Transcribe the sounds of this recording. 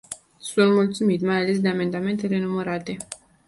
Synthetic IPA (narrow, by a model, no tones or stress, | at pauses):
sunt̪mult̪sumit̪majale̞s̬d̪e̞ame̞nd̪ame̞nt̪e̞ɾe̞numəɾat̪e̞